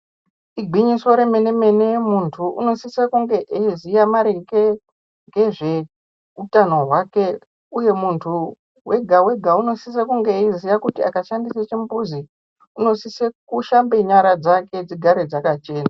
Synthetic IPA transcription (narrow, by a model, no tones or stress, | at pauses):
iɡʱiɲiso̞ɾe̞me̞ne̞me̞nemuntʰuṵno̞sisekuŋɡe̞ʔeizijamaɾeke | ŋɡe̞ʐe̞ | utano̞ɦwake̞ | uje̞muntʰu | we̞ɡʱawe̞ɡʱauno̞sis̬ekuŋɡe̞izijakutia̰kaʃandiset͡ʃimbuzi | uno̞sisekuʃambeɲaɾad͡zake̞d͡ziɡʱaɾed͡zakat͡ʃe̞ːna